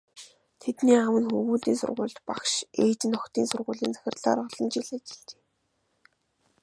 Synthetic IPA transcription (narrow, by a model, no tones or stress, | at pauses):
t̪ʰet̪niːawə̆nxɵɣuːɮt̪iːnsʊ̰rʁʊ̰ːɮt̪pakʃeːt͡ɕnɔkt̪iːnsʊrʁʊːɮiːnt͡sæ̥xʲɪ̆rɮa̰ːɾɔɮ̥ə̆nt͡ɕiɮat͡ɕɪ̥̆ɮt͡ɕe̥ː